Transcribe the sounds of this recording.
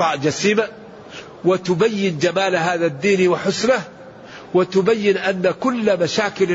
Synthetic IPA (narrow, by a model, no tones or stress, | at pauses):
ɑːʔd͡ʒasiːma | wɪt̪ʊbajːɪnd͡ʒamaːlɦaːðad̪ːiːnwɪħʊsnah | wɪt̪ʊbajːɪnʔanːakʊlːmaʃaːkɪl